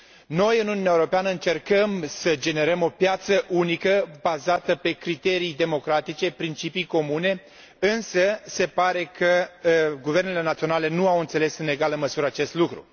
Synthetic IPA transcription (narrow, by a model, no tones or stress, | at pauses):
no̞jɨnunumeaeuɾopeanəɨnt͡ʃe̞rkəmsəd͡ʒe̞ne̞ɾəmo̞pjat̪səʔunikəbazat̪əpe̞kɾit̪e̞ɾijd̪e̞mo̞kɾat̪it͡ʃe̞pɾint͡ʃipijko̞mune̞ | ɨnsəse̞paɾe̞kəɡuve̞rnele̞nat̪sio̞nale̞nuawɨnt̪se̞le̞sɨne̞ɡalɨnməsuɾəat͡ʃe̞st̪lukɾṵ